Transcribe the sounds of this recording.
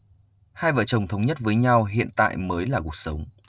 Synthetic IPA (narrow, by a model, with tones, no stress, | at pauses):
haː˧jvə̰ː˧˨t͡ɕə˨˩wŋ͡mt̪ʰə˨˦wŋ͡mɲə˦˥t̚vəː˨˦jɲa˧wɦḭ˧˨ənt̪a̰ː˧˨jməː˨˦jlaː˨˩ku˩ək̚sə˨˦wŋ͡m